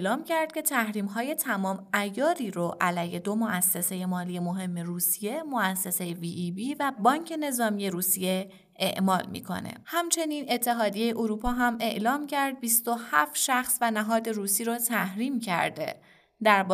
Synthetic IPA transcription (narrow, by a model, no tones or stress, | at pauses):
lɒːmcʰæɾd̪̥̚cʰe̞t̪ʰæhɾiːmɦɒːje̞t̪ʰæmɒːmæjɒːɾiːɾoʔælæjhe̞d̪o̞moʔæsːese̞je̞mɒːlije̞moɦe̞mːe̞ruːsije̞moæsːese̞jeviibiːvæbɒːɲcʰe̞ne̞zɒːmije̞ɾuːsije̞ | eʔmɒːlmḭːkʰo̞̰nḛhæmt͡ʃʰe̞niːne̞t̪ʰːe̞ɦɒːd̪ije̞jeʔoɾuːpʰɒːɦæme̞ʔlɒːmcʰæɾd̪̚bist̪ohæfʃæxsvænæɦɒːd̪e̞ɾuːsiːɾot̪ʰæhɾiːmcʰæ̰ɾd̪e̞̰ | d̪æɾb